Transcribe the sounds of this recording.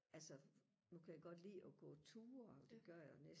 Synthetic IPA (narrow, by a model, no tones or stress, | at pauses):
ʔælsə | nukʰæjæɡ̥ɒ̽d̥lḭːɒɡ̥ɔ̰̽ːt͡sʰuːɐd̥e̝ɡ̥ɶɐ̰janes